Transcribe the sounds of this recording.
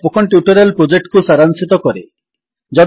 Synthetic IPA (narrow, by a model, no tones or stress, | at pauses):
pokʰɔɳʈjuʈɔɾelpɾod͡ʒek̚ʈkusaɾansit̪ɔkɔɾḛ | d͡ʒɔ